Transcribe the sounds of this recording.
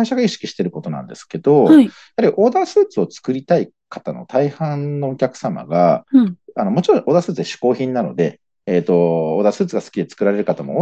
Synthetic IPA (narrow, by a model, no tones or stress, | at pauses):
aiɕaɡaiɕi̥kʲi̥ɕi̥t̪e̞ɾɯ̟ko̞t̪o̞nã̰nd̪e̞̰sɨ̥ke̞d̪o̞ | aɾʲiʔo̞ːd̪asɨːt͡sɨo̞t͡sɨ̥kɯ̟ɾʲit̪ai | kḁt̪ano̞̰t̪aihãnnːo̞ːkʲakɯ̟̥sama̰ɡa | ano̞mo̞t͡ɕiɾõ̞ʔo̞ːd̪asɨːt͡sɨd̪eɕi̥ko̞ːçĩnːano̞̰d̪e̞ː | t̪ːo̞oːd̪asɨːt͡sɨɡasɨ̥kʲid̪e̞t͡sɨ̥kɯ̟ɾaɾe̞ɾɯ̟kat̪amo̞̰